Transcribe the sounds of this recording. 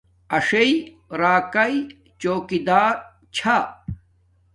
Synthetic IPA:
ɐʂei | ɾaːkɐi | t͡ɕoːkid̪aːɾ | t͡ɕʰa

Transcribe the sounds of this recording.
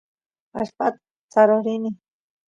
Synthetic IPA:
a̰ʃpat̪ | t͡saɾoɾini

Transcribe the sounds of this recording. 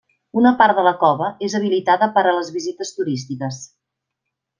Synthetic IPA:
unəpaɾdələkɔβəezəβ̞ilit̪aðəpəɾələzβizit̪əst̪uɾist̪ikəs

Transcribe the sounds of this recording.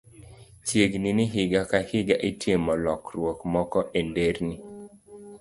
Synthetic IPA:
t͡ʃjeɡninɪɦɪɡakahɪɡaʔetjemɔlɔkɾwɔkmɔkɔʔendeɾni

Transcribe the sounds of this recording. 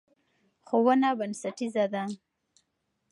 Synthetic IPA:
xowənabənsaʈizad̪a

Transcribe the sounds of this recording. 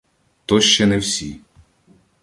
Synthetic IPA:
t̪ɔʃt͡ʃɛnɛwsʲi

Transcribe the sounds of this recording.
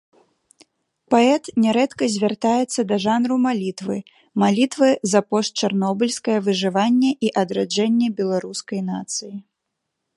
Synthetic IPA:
paɛt̪nʲɛɾɛt̪kɐzʲvʲart̪ajɛt̪sːɐd̪ɐʐanɾumalʲit̪vɨ | malʲit̪vɨzɐpɔʂt͡ʃarnɔbɨlʲskɐjɐvɨʐɨvanʲːɛʔiʔɐd̪ɾad͡ʐɛnʲːɛbʲɛlˠaɾuskɐjn̪at̪sɨji

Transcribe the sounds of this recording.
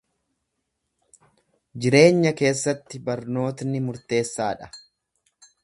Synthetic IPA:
d͡ʒɪɾe̞ːɲːɐke̞ːsːɐt̪ːɪbɐɾno̞ːt̪nɪmʊɾt̪e̞ːsːaːᶑɐ̥

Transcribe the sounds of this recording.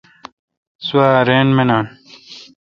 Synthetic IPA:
suwaːɾeːnmenaːn

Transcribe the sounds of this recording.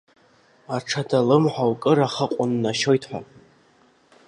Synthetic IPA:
aʈ͡ʂʰadalɨmħʷawkʼɨɾaχəqʷʼʊnːaʃojtʰħʷᶣa̰

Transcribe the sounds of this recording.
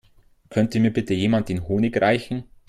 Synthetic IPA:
kʰœntəmiːɐbɪtəjeːmant̚ɪnɦoːnɪkʁaɪçn̩

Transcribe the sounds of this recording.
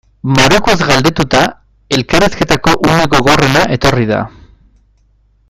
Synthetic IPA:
maɾokuazɡald̪e̞t̪ut̪a | e̞lkaɾeske̞t̪ako̞ʔune̞ɣo̞ɣoare̞naʔe̞t̪o̞riða̰

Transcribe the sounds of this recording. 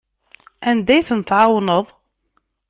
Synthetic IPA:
ænd̪æjθənt̪ʕawnəðˤ

